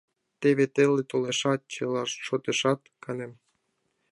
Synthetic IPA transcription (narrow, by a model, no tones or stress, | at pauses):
t̪eβet̪elet̪oleʃɑt̪̚t͡ɕelɑʃʃot̪eʃɑt̪kʰɑnem